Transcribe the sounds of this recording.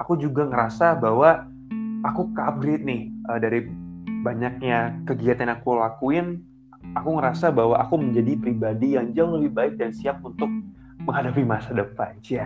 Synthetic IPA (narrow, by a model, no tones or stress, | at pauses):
akud͡ʒuɡaŋəɾasabawa | akukap̚ɡɾɪt̪̚nɪhʔədaɾibaɲak̚ɲakəɡiat̪anakulakuɪn | akuŋəɾasabaɦwaʔakuməɲd͡ʒadipɾibadijaŋd͡ʒaŋləbɪhbaɪk̚dansiap̚unt̪ʊk̚ | məŋɦadapimasadəpand͡ʒa